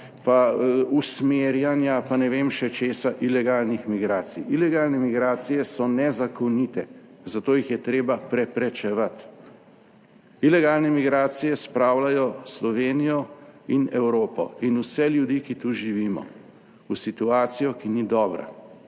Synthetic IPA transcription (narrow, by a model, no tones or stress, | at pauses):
pausmeːɾjanjapanɛʋeːmʃɛt͡ʃeːsaʔilɛɡaːlnixmiɡɾaːsijilɛɡaːlnɛmiɡɾaːt̪sijɛsɔnɛzakɔnit̪ɛ | zat̪oːjixjɛt̪ɾeːbapɾɛpɾɛt͡ʃɛʋat̪ | ilɛɡaːlnɛmiɡɾaːt̪sijɛspɾaːwlajɔslɔʋeːnijɔinɛwɾoːpɔ̰inusɛljud̪iːkit̪uʒiʋiːmɔ̰ | usit̪uaːt̪sijɔkinid̪ɔːbɾa̰